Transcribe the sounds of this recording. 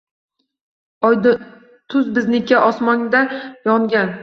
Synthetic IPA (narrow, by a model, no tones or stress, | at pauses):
jd̪ | t̪ʰʊzbɪznɪkʰʲːaʔɒsmɒŋd̪ajɒŋɡʲan